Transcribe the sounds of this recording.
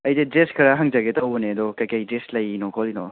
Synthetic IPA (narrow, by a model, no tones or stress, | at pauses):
ɐjded͡ʒeskʰɐɾaɦɐŋd͡ʒaɡetʰɐwbɔneɐdɔkɐjkɐjd͡ʒeslɐjinɔkʰɔlinɔ̰